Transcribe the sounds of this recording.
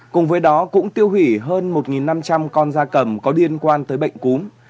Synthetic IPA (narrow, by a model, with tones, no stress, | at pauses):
kʊ˨˩ŋ͡mvəː˨˦jɗɔ˨˦kʊ̰˧˥ŋ͡mt̪i˧əwɦi˧˩ɦəː˧nmo˨˩t̚ŋi˨˩nːa˧mt͡ɕa˧mkɔ˧nzaː˧kə˧˩mkɔ˨˦li˧ənkwaː˧nt̪əː˨˦jɓə̰˧˨jŋ̟ku˨˦m